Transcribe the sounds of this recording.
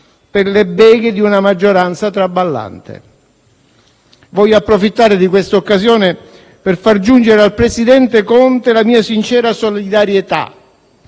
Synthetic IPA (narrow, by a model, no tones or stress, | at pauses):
pɪrlebɛːɡɪd̪iunamad͡ʒːoɾant̪sat̪ɾabːalːa̰nt̪ḛ | vɔjːapːɾofit̪ːaːɾɪd̪ikwest̪aokːazjɔːnɪ | perfard͡ʒund͡ʒeɾealpɾesid̪ɛnt̪ekɔnt̪elamiːasint͡ʃɛːɾasolid̪aɾjet̪a̰